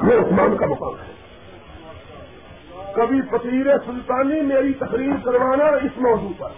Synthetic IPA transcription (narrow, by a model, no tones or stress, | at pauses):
jeʊsmaːnkamɐka̰ːmɦɛː | kɐbʱipɐt̪iːɾesʊlt̪aːnimeːɾit̪ɐkɾiːɾkɐɾʋaːnaɪsmɔːd͡ʒuːp̪ɐɾ